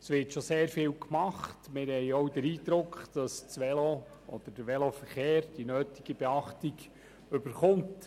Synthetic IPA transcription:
sʋɪɾtʃɔseːɾfɪːlkmɑχtmɪɾhɛɪɔwdəɾiːd̪ɾʊkχd̥ɑsʋɛlo | ʔɔd̪̥əɾd̥əɾʋɛlofəɾχeːɾd̥inøːtiɡ̥əb̥eɑχtiɡ | ʏb̥əɾχʊmt

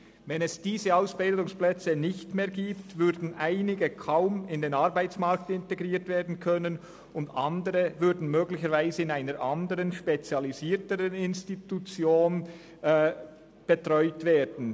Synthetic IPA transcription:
vɛnɛsd̥iːzəaʊsb̥ɪldʊŋsplɛt͡sənɪçtmeːɐɡiːptvʏɾdn̩ʔaɪnɪɡəkʰaʊmɪndeːnɑɾbaɪt͡smaɾk̚tɪnteɡʁiːtv̥eːɐdn̩kʰœnən | ʊndɑ̰ndəʁəvʏɾdn̩møːɡlɪçəɾvaɪzəɪnaɪnəɾʔandəʁənʃpet͡sjɑliziːtəʁənɪnstitut͡sjoːn | b̥ətʁɔʏtv̥eːdn̩

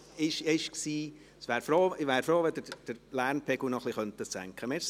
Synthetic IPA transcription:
ɪʃɪʃksiː | sʋæːɾfɾoːɪʋæːɾfɾoːʋɛdəd̥əɾlæːrnpʰɛɡ̥ʊnɔχliχœnt̪ət͡sæ̰ŋkχəmes

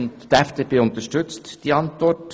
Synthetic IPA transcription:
nttæfd̥eːpeːʊnt̪əʃtʏt͡std̥iɑntʋɔrt

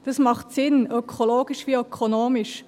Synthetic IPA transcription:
d̥ɑsmɑχtsɪnœkʰoloːɡ̥iʃviːœkʰonoːmɪʃ

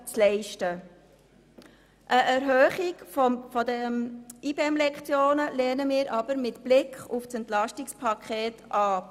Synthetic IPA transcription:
t͡slɛɪʃtə | ʔəʔæɾɦœːχiɡfɔfɔdəmiːbɛmlɛkχt͡sjoːnəlɛːnəmɪːɾʔɑb̥əɾmɪtb̥lɪkχufsɛntlɑʃtɪkspʰɑkʰχɛːtʔɑː

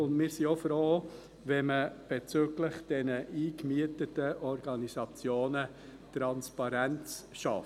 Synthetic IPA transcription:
ʊndmɪːɾsiofɾoː | ʋɛməb̥ɛt͡søːɡlɪχd̥ɛnəʔiːkmyətətəʔɔɾɡɑnisɑt͡sjoːnə | tɾɑnspɑɾænt͡sʃɑ̰f

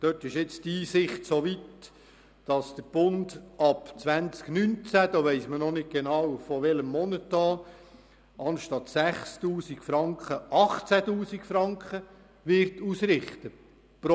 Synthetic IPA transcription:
d̥øtɪʃɛt͡stiːsɪχtsoːʋit | d̥ɑsd̥əb̥ʊndɑpt͡sʋænt͡sknynt͡sæd̥̪ɑːʋɛɪsmənɔnɪk̚ɡ̥enɑwfɔʋɛləmːɔnətːɑː | ʔɑnʃtɑtsæχstuːsikfɾɑŋkχəɑχt͡sætuːsikfɾɑŋkχə | ʋɪɾtuːsɾɪχt̪ə | p

